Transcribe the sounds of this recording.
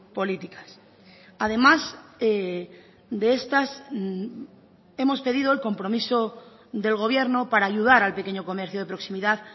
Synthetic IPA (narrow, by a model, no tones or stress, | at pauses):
po̞lit̪ikḁs | aðe̞mase | d̪e̞e̞st̪as | e̞mo̞spe̞ðiðo̞elko̞mpɾo̞miso̞ | ðe̞lɣ̞o̞β̞je̞ɾno̞paɾaːʝuð̞aɾalpe̞ke̞ɲoko̞me̞ɾθjoð̞e̞pɾo̞ksimiðað